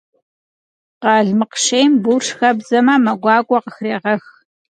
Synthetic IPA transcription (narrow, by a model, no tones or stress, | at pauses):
qɑɮmɨqʃejmbuːʂxɐbzɐmamɐɡʷɑːkʷʼɔqəxreːʁɐx